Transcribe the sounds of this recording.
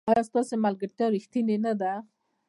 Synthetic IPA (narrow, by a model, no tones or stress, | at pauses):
ɑjɑst̪ɑsemalɡəɾt̪jɑɾixt̪inenad̪a